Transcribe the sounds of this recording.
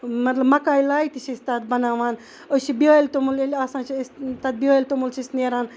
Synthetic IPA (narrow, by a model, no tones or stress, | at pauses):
mɐt̪lɐbmɐkaːjlaːit̪it͡ʃʰiist̪aːt̪̚bɐnaːʋaːn | ot͡ʃibioːlʲt̪omulelʲasãːt͡ʃʰist̪ɐt̪̚biaːjlʲt̪omult͡ʃʰisneːɾaːn